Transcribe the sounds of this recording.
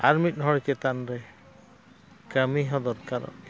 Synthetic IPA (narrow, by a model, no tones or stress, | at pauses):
aɹmit̚nɦɔɹkɛt̪anɾaj | kamiɦɔd̪ɔɾkaɾɔ̰t